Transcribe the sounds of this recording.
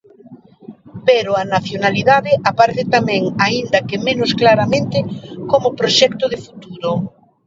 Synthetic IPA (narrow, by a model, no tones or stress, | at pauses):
peɾʊanaθjonaliðaðɪʔapaɾeθɪt̪amɛ̃ŋaind̪ɐkɪmenʊsklaɾamẽnt̪ɪkomʊpɾoʃɛkt̪ʊðɪfut̪uɾʊ